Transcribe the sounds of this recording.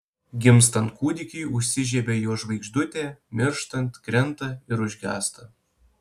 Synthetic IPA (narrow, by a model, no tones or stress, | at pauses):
ɡʲɪmst̪ɐnt̪̚kuːd̪ʲɪkʲiːʊʃʲsʲɪʒʲɛːbʲeːjoːʒʋɐɪɡʒd̪ʊt̪ʲeːmʲɪɾʃt̪ɐnt̪ʲkɾʲɛnt̪ɐɪɾʊʒʲɡʲæ̰ːst̪ɐ